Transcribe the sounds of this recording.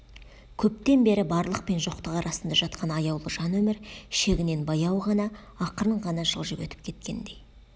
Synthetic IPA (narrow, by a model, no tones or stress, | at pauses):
kʲʰɵp̚t̪e̞nbe̞ɾɪbɑɾlˠəq̚pe̞nʒo̞qt̪əqɑɾʔɑsənd̪ɑʒɑt̪qʰɑnɑjɑwlˠəʒ̥ɑnwɵmɪɾʃe̞ɡʲɪne̞nbɑjɑwʁɑnɑ | ɑqəɾəɴʁɑnɑʒə̰lˠʒəwɵt̪ɪ̥p̚kʲʰe̞t̪̚kʲe̞̰nd̪e̞j